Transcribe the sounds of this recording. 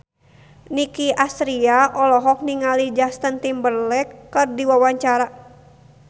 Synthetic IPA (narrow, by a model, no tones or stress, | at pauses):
nikiʔast̪ɾiaʔɔlɔɦɔk̚niŋalid͡ʒast̪ənt̪imbərlɛkːɨrdiwawaɲt͡ʃaɾa